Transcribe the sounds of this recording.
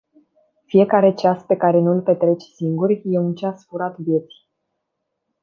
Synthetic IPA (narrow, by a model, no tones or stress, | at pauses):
fije̞kaɾe̞t͡ʃaspe̞kaɾe̞nulpe̞t̪ɾe̞t͡ʃsiŋɡurʲje̞unt͡ʃasfuɾat̪vje̞t̪sʲi̥